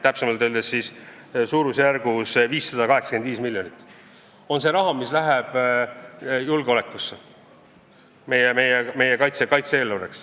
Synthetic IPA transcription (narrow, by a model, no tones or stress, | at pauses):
t̪æpsemɑlt̪øld̪esːis | suːɾusjæɾɡ̥usviːsːɑd̪̥ɑkɑɦe̞ksɑ̥ke̞nd̪viːsmilʲjo̞nʲit̪ːˑ | o̞nse̞ɾɑɦɑmislæɦɛb̥ | julɡ̥eo̞le̞kːˑuse | me̞jeme̞jeme̞jekɑjt̪sekɑjt̪see̞ːlːuɾeks